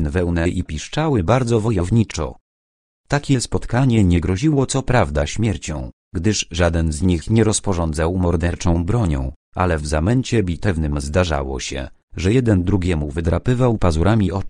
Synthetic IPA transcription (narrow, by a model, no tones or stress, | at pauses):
nvɛwnɛʔipʲiʂt͡ʂawɘbaɾd̪zɔvɔjɔvɲit͡ʂɔ̰ | t̪akʲɛspɔt̪kaɲɛɲɛɡɾɔʑiwɔt̪sɔpɾavd̪aɕmʲjɛɾt͡ɕɔ̃w̃ | ɡd̪ɘʂʐad̪ɛnzɲixɲɛɾɔspɔʐɔnd̪zawmɔɾd̪ɛɾt͡ʂɔ̃w̃bɾɔɲɔ̰̃w̃ | ʔa̰lɛvzamɛɲt͡ɕɛbʲit̪ɛvnɘmzd̪aʐa̰wɔ̰ɕɛ̰ | ʐɛjɛd̪ɛnd̪ɾuɡʲɛmuvɘd̪ɾapɘvawpazuɾʔamʲiʔɔ